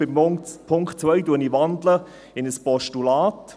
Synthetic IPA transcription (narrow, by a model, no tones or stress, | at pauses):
ɪpʰʊŋkχtt͡svœjduəniʋɑndlə | ɪnəspɔʃtulaːt